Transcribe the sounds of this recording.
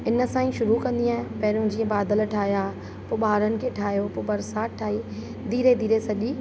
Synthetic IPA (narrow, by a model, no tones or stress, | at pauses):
ɪnə̆sãːĩʃʊɾukɐ̃nd̪iaːɦɪ̃pɐɦɾõd͡ʑiːə̃baːd̪əlʈʰaːjaː | pʊɓaːɾənɪ̆kʰeːʈʰaːjopʊbɐɾsaːʈʰːaːiː | d̪ʱiːɾed̪ʱiːɾesɐʄiː